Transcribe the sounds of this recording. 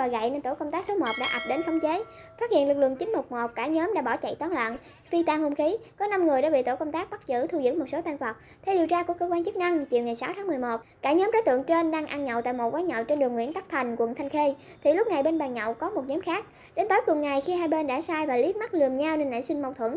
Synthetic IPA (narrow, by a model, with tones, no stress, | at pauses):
ɔː˨˩ɣa̰˧˨jne˧nt̪o˧˩kə˧wŋ͡mt̪aː˦˥k̚so˨˦mo˨˩t̚ɗa̰ː˧˥ʔa˨˩p̚ɗe˨˦nxə˨˧wŋ͡mt͡ɕe˨˦ | faː˦˥t̚hḭ˧˨əlɨ˨˩k̚lɨ̰˧˨ŋt͡ɕï˨˦ŋmʊ˨˩k͡p̚mo˨˩t̚kaː˧˩ɲəː˨˦mɗa̰ː˧˥ɓɔ˧˩t͡ɕə̰˧˨jt̪ɔː˨˦nla̰ː˧˨n | fi˧t̪aː˧ho˧mxi˨˦kɔ˨˦na˧mŋɨ˨˩ɗa̰ː˧˥ɓḭ˧˨t̪o˧˩kə˧wŋ͡mt̪aː˦˥k̚ɓa˦˥k̚zɨ̰˧˥˩t̪ʰu˧zɨ̰˧˥mo˨˩t̚so˨˦t̪aː˧ŋvə˨˩t̚ | t̪ʰe˧wɗi˨˩əwt͡ɕaː˧ku˧˩əkəː˧kwaː˧nt͡ɕɨ˦˥k̚na˧ŋt͡ɕi˨˩əwŋa˨˩jsa˨˦wt̪ʰaː˨˦ŋmɨ˨˩əjmo˨˩t̚kaː˧˩ɲəː˨˦mɗɔː˨˦jt̪ɨ̰˧˨əŋt͡ɕe˧nɗaː˧ŋʔaː˧ŋɲə̰˧˨wt̪a̰ː˧˨jmo˨˩t̚kwaː˨˦ɲə̰˧˨wt͡ɕe˧nɗɨ˨˩əŋwḭ˧˥ənt̪aː˦˥k̚t̪ʰa˨˩jŋ̟kwə̰˨˧˨nt̪ʰa˧jŋ̟xe˧ | t̪ʰi˨˩lʊ˦˥k͡p̚na˨˩jɓe˧nɓaː˨˩ŋɲɔ̰˧˨wkɔ˨˦mo˨˩t̚ɲɔː˨˦mxaː˦˥k̚ | ɗe˨˦nt̪oː˨˦jkʊ˨˩ŋa˨˩jxi˧haː˧jɓe˧nɗa̰ː˧˥saː˧jvaː˨˩li˨˦˥ət̚ma˦˥k̚lɨ˨˩əmɲa˧wne˧nla̰ː˧˨jsï˧ŋ̟ma˧wt̪ʰwə̰˧˩˨n